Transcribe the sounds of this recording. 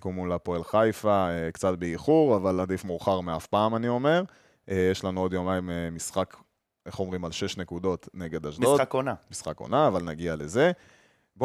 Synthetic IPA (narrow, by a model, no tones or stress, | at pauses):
komulapoelχajfaekt͡sat̪̚beiχuʁavalad̪ifmuʁχaʁmeafpaːmanio̞me̞ʁ | jeʃlanuo̞d̪jomaimemisχak | ʔe̞χo̞mʁimalʃe̞ʃnekud̪o̞t̪ne̞ɡe̞d̪aʃdoakonamisχako̰naːvalnaɡiale̞ze̞ | b